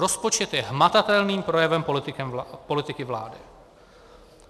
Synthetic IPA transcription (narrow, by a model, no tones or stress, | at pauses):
ɾo̞spot͡ʃɛt̪jɛɦmat̪at̪ɛlniːmpɾo̞jɛvɛmpt̪ɪkɛpo̞lɪt̪ɪkɪvla̰ːdɪ̰